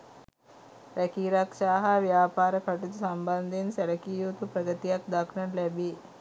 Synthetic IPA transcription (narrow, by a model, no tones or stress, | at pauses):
ɾɛkiːɾɐkʃaːɦɐʋjaːpaːɾɐkʰɐʈit̪usɐmbɐnd̪ʱinsɛlɐkiːjuːt̪upɾɐɡɐt̪ijak̚d̪ɐkʰɳɐnlɛbi